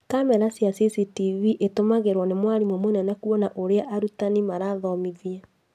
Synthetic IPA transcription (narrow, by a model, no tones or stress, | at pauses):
kamɛɾasjasisitiviʔetomaɣeɾwɔnemwaɾimomonɛnɛkuɔnaʔoɾeaʔaɾutanimaɾaðɔmiðiɛ